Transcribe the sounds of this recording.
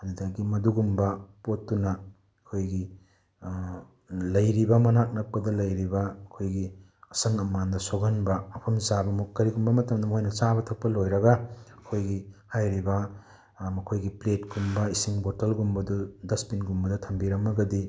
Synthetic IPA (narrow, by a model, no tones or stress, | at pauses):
ɐdudaɡimɐduɡumbɐpotːunɐ | ɐkʰojɡi | lɐjɾibɐmɐnak̚nɐk̚pɐdɐlɐjɾibɐɐkʰojɡi | ɐsɐŋɐmːandɐsoɡɐnbɐːpʰɐmsabɐmukːɐɾiɡumbɐmɐtɐmdɐmojnɐt͡ʃabɐtʰɐk̚pɐlojɾɐɡɐɐkʰojɡihajɾibɐ | mɐkʰojɡipletɡumbɐisiŋbotɐlɡumbɐdudɐspinɡumbɐdɐtʰɐmbiɾɐmːɐɡɐdi